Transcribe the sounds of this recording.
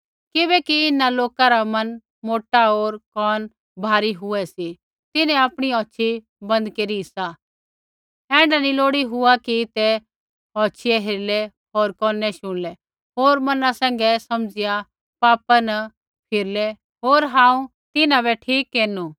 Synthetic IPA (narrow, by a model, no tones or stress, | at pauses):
kɪbɛkiɪnaloːkaɾamɐn | moːʈaɦoːɾkɔːn | bʱaːɾiɦʊɛsi | t̪ɪnɛ̃apɽ̃iɔːt͡ʃʃʰi | bɐ̃nd̪keːɾiɦɪsa | ɛ̃ːɳɖaniloːɽiɦʊakit̪ɛ | ɦɔːt͡ʃʰɪjɛɦeɾlɛ | ɦoːɾkɔːnɛʃʊ̃ɽ̃lɛ | ɦoːɾmɐnãsɛ̃ːŋ̆ɡɛsɐmd͡zɪja | paːpanɐ | pʰɪɾlɛ | ɦoːɾɦãːũ | t̪ɪnãbɛʈʰiːkːeːnu